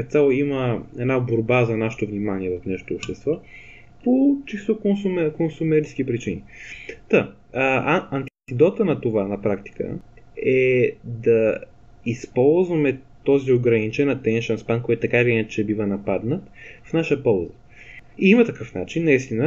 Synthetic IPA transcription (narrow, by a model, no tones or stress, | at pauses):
t̪salˠoiməɛnaboɾbazɐnaʃɛ̥t̪ovnimaniɛvɐfnɛʃo̥t̪oːpʃt̪ɛst̪vɔ | pot͡ʃist̪okonsumɛkonsumɛɾisk̟ipɾit͡ʃinḭt̪ə | ɐnt̪t̪id̪ɔt̪ənɐt̪ovanɐpɾakt̪i̥kə̰ɛd̪ɐ | ispɔlˠzvɐmɛt̪ɔzioɡɾɐnit͡ʃɛnɐt̪ɛnʃɐnspankɔɛt̪t̪ɐkavinɛt͡ʃɛbivənɐpad̪nət̪fnaʃəpɔlˠzə | iimɐt̪ɐkɤfnat͡ʃinːɐist̪inə